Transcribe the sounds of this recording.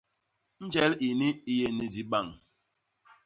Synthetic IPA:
n̩˦d͡ʒɛ˦li˨ni˦i˦je˦ni˨di˦ɓa˦˨ŋ˨

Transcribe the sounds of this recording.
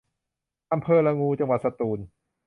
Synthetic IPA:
ʔa˧mpʰɤː˧laː˧ŋuː˧t͡ɕa˧ŋwa˨˩t̪sa˧t̪uː˧n

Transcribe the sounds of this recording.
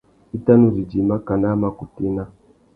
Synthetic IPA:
i˦ta˦nu˦ɾi˨d͡ʒi˨ma˦ka˨na˦ma˨ku˨ti˦na˦

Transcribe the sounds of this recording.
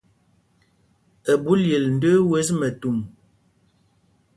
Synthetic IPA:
ə˨bu˦lje˨ln̩˨˦də˦we˦s̬mə˨tu˨m

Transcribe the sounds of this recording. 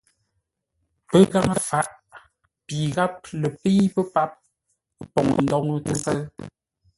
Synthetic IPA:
pə˦ɣa˦ŋə˦fa˨˦ʔ | pi˨ɣa˦p̚lə˨pe˦pə˦pa˦p̚ | pɔ˨ŋə˨ndɔ˦ŋə˦tu˦ŋ˦kə˦l

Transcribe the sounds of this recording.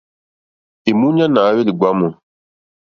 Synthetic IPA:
e˨mu˦ɲa˦na˨˦we˦li˨ɡʷa˨˦mo˨

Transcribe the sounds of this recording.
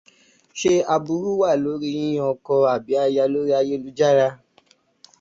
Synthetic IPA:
ʃe˦a˧bu˨˧ɾu˦wa˦˨lo˨˦ɾi˦i˦j̃ɔ̃˧kɔ˧a˨bi˨˦a˧ja˧lo˦ɾi˦a˧je˦lu˨˦d͡ʒa˦ɾa˧

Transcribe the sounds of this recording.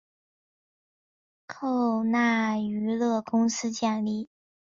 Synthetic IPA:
kʰo˥˧ʊna˥˩y˧˥lɤ˥˩kʊ˥ŋsɹ̩˥t͡ɕja˥˧ŋli˥˩

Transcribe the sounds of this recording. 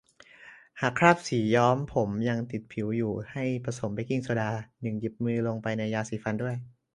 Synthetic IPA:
haː˨˩kʰɾaː˥˩p̚siː˩˦jɔː˦˥mpʰo˩˦mja˧ŋt̪i˨˩t̪̚pʰi˩˦wjuː˨˩ha˥˩jpɾa˧so˩˦mpa˧jki˧ŋsa˧˩daː˧nɯ˨˩ŋji˨˩p̚mɯː˧lo˧ŋpa˧jna˧jaː˧siː˨˩˦fa˧ndu˥˩əj

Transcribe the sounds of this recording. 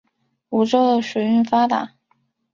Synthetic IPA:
u˧˥ʈ͡ʂo˥ʊd̪ə˨ʂwu˨˩ɪy˥˩nfa˥t̪a̰˨˩˦

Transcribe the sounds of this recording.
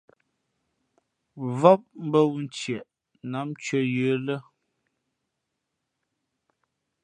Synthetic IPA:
vɔ˦p̚m̩˦bə˦wu˨n̩˨˦t͡ʃjɛ˨ʔ | na˨˦m˦t͡ʃə˦jə˦lə˦

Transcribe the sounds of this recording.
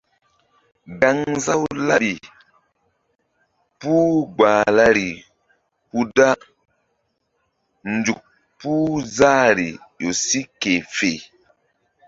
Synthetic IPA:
ɡa˦ŋza˦wla˦ɾi˨ | pu˦ɡ͡baː˨la˦ɾi˨ | pu˦da˦ | nd͡ʒu˨k̚ | puː˦za˦ɾi˨jo˨si˦ke˨fe˨

